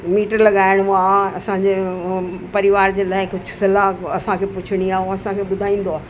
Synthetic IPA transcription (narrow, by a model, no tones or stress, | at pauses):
miːʈəɾlɐɠaːɪɽ̃ãɐsãd͡ʑe | pɐɾɪʋaːɾd͡ʑeːlaːɪkʊd͡ʑʱʊ̥sɐlaɐsãkʰeːpʊt͡ɕʰɪɽ̃iaːɐsãkʰeːɓʊd̪ʱaːĩːn̆d̪oaː